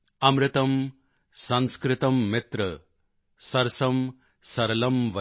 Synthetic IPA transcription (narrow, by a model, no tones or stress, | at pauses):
ɐmɾɪt̪ɐm | sɐ̃nskɾɪt̪ɐmːet̪ɾɐ | sɐɾsɐm | sɐɾɐlɐmʋɐ